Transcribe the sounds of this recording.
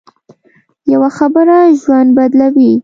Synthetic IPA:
jawaxabəɾaʒwand̪̚bad̪lawi

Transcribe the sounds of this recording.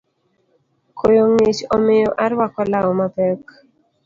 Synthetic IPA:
kʰojoŋet͡ʃɔmɪjɔʔaɾwakɔlawɔmapɛk

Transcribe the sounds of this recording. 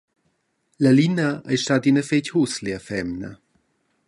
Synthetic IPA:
ləlinəajʃtadinəfechusleəfɛmnə̰

